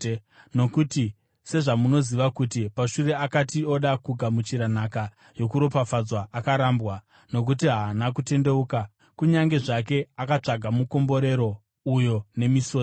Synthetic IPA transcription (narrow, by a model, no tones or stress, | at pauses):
no̞kuti | se̞ʐamuno̞ziʋakutipaʃuɾe̞akatio̞ɗakuɡʱamut͡ʃiɾanaka | jo̞kuɾo̞pafad͡zwaʔakaɾambwa | no̞k̬ut̬iɦaːnakute̞nde̞uːka | kuɲaŋɡe̞ʐak̬e̞akat͡ʂaɡʱamuko̞mbo̞ɾe̞ɾo̞ | ujo̞ne̞miso̞ː